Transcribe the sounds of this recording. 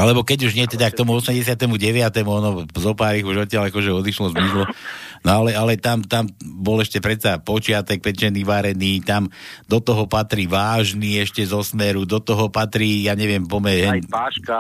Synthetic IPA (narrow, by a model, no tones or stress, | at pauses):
alɛbɔkɛɟuʒɲɪɛt̪ɛd̪ak̚t̪ɔmuɔsmɛmɟɛsɪat̪ɛmuɟɛʋɪat̪ɛmuɔnɔzɔpaːɾiɣuʒɔt̪ɪaʎakɔʒɛɔd̪iʃlɔzmislɔnɔalɛalɛt̪amt̪ambɔlɛʃcɛpɾɛt̪sapɔt͡ʃɪat̪ɛk̚pɛt͡ʃɛniːʋaɾɛniːt̪amd̪ɔt̪ɔɦɔpat̪ɾiʋaːʒniɛʃcɛzɔsmɛɾud̪ɔt̪ɔɦɔpat̪ɾiːjaːɲɛʋɪɛmpɔmɛɦɛaʃk